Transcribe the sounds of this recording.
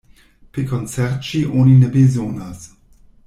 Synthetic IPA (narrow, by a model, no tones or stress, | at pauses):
pekont͡seɾt͡ʃiʔoninebezonas